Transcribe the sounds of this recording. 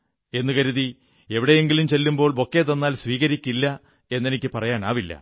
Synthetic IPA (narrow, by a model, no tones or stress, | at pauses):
e̞nːɨkɐɾuði | e̞ʋiɽe̞jeŋɡilumt͡ɕe̞lːumbo̞ːɭo̞kːeːt̪ɐnːaːlsʋiːɣɐɾikʲːilːɐ | e̞nːe̞nikʲːɨpɐrɐjaːna̰ːʋilːɐ̰